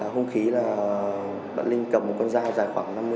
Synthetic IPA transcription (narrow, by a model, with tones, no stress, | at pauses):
aː˨˦ɦo˧ŋ͡mxi˨˦laː˨˩ | ɓə̰ː˧˨nlï˧ŋ̟kə˨˩mo˨˩t̚kɔ˧nzaː˧zaː˨˩jxwaː˧˩ŋna˧mːɨ˧